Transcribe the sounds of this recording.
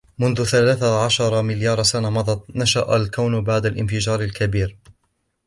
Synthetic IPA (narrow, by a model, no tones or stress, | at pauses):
mʊnðʊθalaːθaʕaʃɑɾˤɑmɪljɑːɾˤsanamɑd̪ˤɑt̪ˤnaʃaʔalkawnbaʕd̪alʔɪnfɪd͡ʒɑːɾˤalkabiːɾ